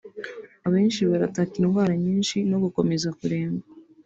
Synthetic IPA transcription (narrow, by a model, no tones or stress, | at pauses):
aβe̞ːnʃiβaɾatakiɾuvaːɾaɲiːnʃino̞ɡuko̞me̞zakuɾe̞ːmɡa